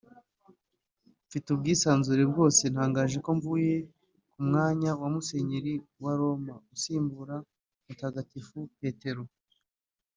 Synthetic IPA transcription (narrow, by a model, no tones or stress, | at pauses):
fitubɡiːsaːnzuɾeb̚ɡo̞ːse̞n̥haːŋɡaːʒe̞ko̞ɱvuːje̞ | kumŋaːɲawamuse̞ɲeɾiwaɾo̞mausiːmbuɾa | mutaːɡatifupe̞ːte̞ɾo